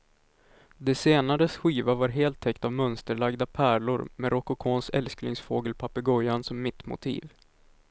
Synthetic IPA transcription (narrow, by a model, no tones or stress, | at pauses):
d̪ɛseːnaɾəsɧiːvavaɾɦeːlt̪ʰːɛkt̪avmœnst̪əɭaɡd̪apʰæːɭʊɾmɛɾɔkʊkʰoːnsɛ̰lsknɪŋsfoːɡəlpʰapəɡɔjansɔmːɪt̪mʊ̰t̪ʰḭːv